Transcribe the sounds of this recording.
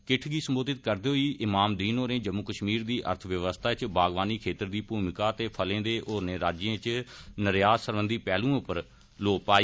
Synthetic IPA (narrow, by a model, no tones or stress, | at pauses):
kɪʈʰɡiːsəmboːd̪ɪt̪̚kəɾd̪eːɦoiːʔɪmaːmd̪iːnõːnẽːd͡ʒəmːukəʃmiːɾd̪iːʔə̰ɾt̪ʰəʋjəʋəst̪ʰaːt͡ʃbaːɡʋaːniːkʰeːt̪əɾd̪iːpuːmɪkaːt̪eːpʰəlẽːd̪eːʔoːɾneːɾaːd͡ʒẽːt͡ʃnəɾjaːsəɾʋənd̪iːpɛːlũːʊpəɾ | loːpaːi